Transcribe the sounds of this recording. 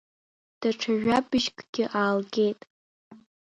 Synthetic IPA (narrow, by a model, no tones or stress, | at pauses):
d̥aʈ͡ʂʰaʒᶣabɨʃkʷʰʼɡ̥ʲɪʔaːlɡʲejtʼ